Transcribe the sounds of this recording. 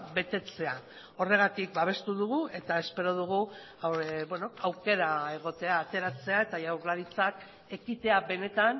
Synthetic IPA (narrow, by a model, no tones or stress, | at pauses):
be̞t̪e̞t͡se̞a | o̞re̞ɣ̞at̪ik̚baβ̞e̞st̪uðuɣ̞ue̞t̪ae̞spe̞ɾo̞ð̞uɣ̞u | bweno̞awke̞ɾae̞ɣ̞o̞t̪e̞aːt̪e̞ɾat͡se̞ae̞t̪ajawɾlaɾit͡sak | e̞kit̪e̞aβe̞ne̞t̪an